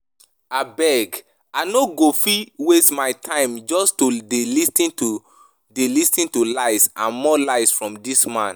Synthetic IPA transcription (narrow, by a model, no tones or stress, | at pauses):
abɛɡ | anoɡofiwestmaɪtʰãɪ̃md͡ʒɔstodelistĩnu | delistĩntulaɪsãnmɔlaɪsfɹɔ̃mdismãn